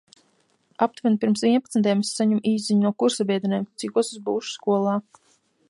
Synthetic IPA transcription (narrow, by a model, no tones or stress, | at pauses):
ap̚t̪vɛnpiɾmsvʲiɛnpat̪snt̪ajmsːaɲumʔiːziɲnuɔkuɾsabʲiɛd̪ʲinɛmt̪sikuɔsuzbuːʃu̥skuɔlˠaː